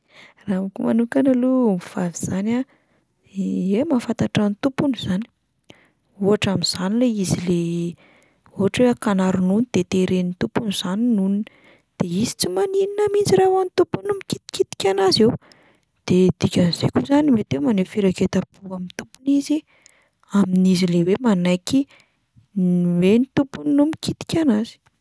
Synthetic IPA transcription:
ramkumanukanalumiv̥aviz̥ana | emafant̪aʈ͡ʂant̪upunuz̥ani̥ | uaʈ͡ʂaminz̥anileizile | uɦaʈ͡ʂweakanaɾunund̪̥et̪eɾenint̪upunuz̥aninunin | d̪̥eizi̥t͡simanininamind͡ziɾawanit̪upunumikit̪i̥kit̪i̥kʲanazew | d̪̥ed̪̥ikʲaniz̥ḛkuzanimet̪emanefiɾaket̪apuamint̪upunizi | aminizilewemanajki | nwenit̪upuninumikit̪i̥kʲanazi̥

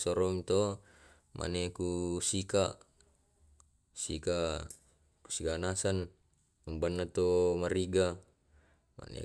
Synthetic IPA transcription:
sɔɾɔŋt̪o | mʔa̰nekusikaʔ | sḭka | ku̥sikanasan | umbanːat̪omaɾiɡa | ma̰nḛ

